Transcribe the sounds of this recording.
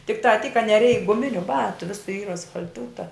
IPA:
tʲɪkˈtɑː tʲiːk kɐ nʲɛˈrʲɛɪk ɡʊˈmʲɪnʲʊ ˈbɑːtʊ ˈʋʲɪsʊ ˈiːr ɐsfɐlʲˈtuːtɐ

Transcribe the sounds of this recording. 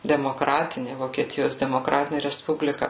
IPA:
dʲɛmoːˈkrɑːtʲɪnʲɪ ʋoːkʲiɛˈtʲɪjoːs dʲɛmoːˈkrɑːtʲɪnʲeː rʲɛsˈpʊbʲlʲɪkɐ

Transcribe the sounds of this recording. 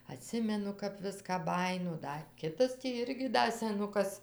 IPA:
ɐˈtʲsʲɪmʲɛnʊ kɐp ˈʋʲɪskɑː ˈbɑːjɪnoː ˈdɐ ˈkʲɪtɐs ˈɪrʲɡʲɪ ˈdɐ sʲɛˈnʊkɐs

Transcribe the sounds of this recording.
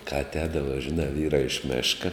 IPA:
kɐ ɐtʲˈɛːdɐʋɐ ʒʲɪˈnɑː ˈʋʲiːrɑː ɪʃ ˈmʲæːʃkɐ

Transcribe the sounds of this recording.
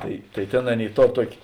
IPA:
ˈtɐɪ tɐɪ ˈtʲeːn ˈɑːˌnʲeːɪ ˈtoːr ˈtuɔkʲeː

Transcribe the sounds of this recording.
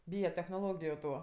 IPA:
ˈbʲiːjɛ tʲɛxnoːˈlˠoːɡʲɪjʊ ˈtuː

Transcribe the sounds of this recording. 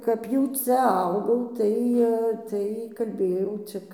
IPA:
kɐp ˈjɛʊ ˈt͡sʲɛ ˈɐʊɡɐʊm ˈtɐɪ tɐɪ kɐlʲˈbʲeːjɛʊ ˈt͡sʲɪk

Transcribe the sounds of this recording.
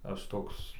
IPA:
ˈɐʃ ˈtoːks

